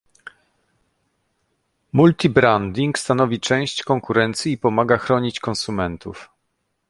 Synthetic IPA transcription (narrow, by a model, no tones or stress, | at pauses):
mult̪ʲibɾand̪ʲiŋkst̪anɔvʲit͡ʂɛ̃w̃ɕt͡ɕkɔŋkuɾɛnt̪sʲjiːpɔmaɡaxɾɔɲit͡ɕkɔ̃nsumɛnt̪ṵf